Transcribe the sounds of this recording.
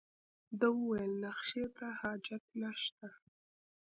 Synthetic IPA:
d̪əwəwajəlnaxʃet̪ahɑd͡ʒat̪naʃt̪a

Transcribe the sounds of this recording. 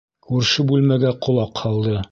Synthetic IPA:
kʉɾʃɘbʉlmæɡæqŏlˠɑqhɑlˠd̪ɤ

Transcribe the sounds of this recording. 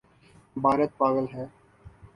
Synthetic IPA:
bʱaːɾət̪̚paːɡ̪əlɦɛː

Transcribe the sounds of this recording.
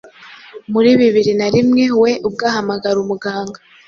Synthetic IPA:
muɾiβiβiɾinaɾimŋe̞we̞ʔub̚ɡaːɦamaɡaɾumuɡaːŋɡa

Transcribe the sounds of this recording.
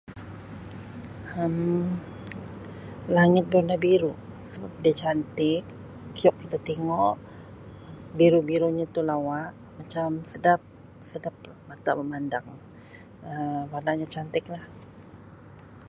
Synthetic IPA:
əm | laŋɪt̪̚bənabiɾusəbap̚diat͡ʃant̪ɪk̚ː | ijɔkːit̪at̪eŋɔʔ | biɾubiɾuɲat̪ulawaʔ | mat͡ʃamsədap̚ | sədap̚ | mat̪a̰bəmandaŋ | əbadaɲat͡ʃant̪ɪk̚lah

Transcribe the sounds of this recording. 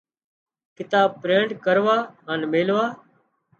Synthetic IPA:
kɪt̪aːb̚pɾẽːɳɖkəɾʋaːɦaːnmeːlʋaː

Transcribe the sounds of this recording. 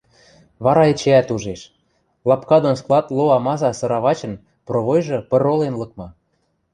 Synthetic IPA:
βɑɾɑet͡ɕeæt̪uʒeʃ | lɑpkɑd̪onsklˠɑt̪lˠoɑmɑzɑsɤ̆ɾɑβɑt͡ɕə̆n | proβojʒɤ̆pɤ̆rolenlɤ̆kmɤ̆

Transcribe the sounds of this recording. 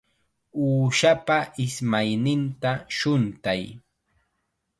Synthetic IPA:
uːʃapaʔɪsmajnɪnt̪aʃʊnt̪aj

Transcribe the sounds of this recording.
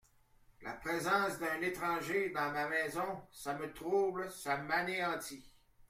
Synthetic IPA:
la̰pʁezɑ̃ːsd̪ɛ̃ːnet̪ʁɑ̃ːʒed̪ɑ̃mamɛːzɔ̃samət̪ʁublsamaneɑ̃t̪i

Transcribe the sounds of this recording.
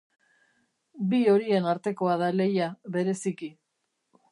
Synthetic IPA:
bio̞ɾie̞naɾt̪e̞ko̞að̞ale̞jaβe̞ɾe̞siki

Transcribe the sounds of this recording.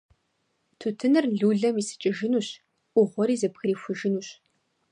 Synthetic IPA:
tʰutʰɨnɨrɮuːɮɐmiːsɨ̥t͡ʃʼɪʒɪnuːɕ | ʔʷʊʁʷɔɾiːzɐpxɨɾiːfʷʊʒɪnuːɕ

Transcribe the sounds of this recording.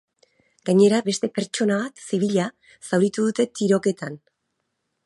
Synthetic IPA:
ɡaɲe̞ɾaβe̞st̪e̞pe̞ɾt͡ʃo̞naβat̪siβiʎa | sawɾit̪uðut̪e̞t̪iɾo̞ke̞t̪an

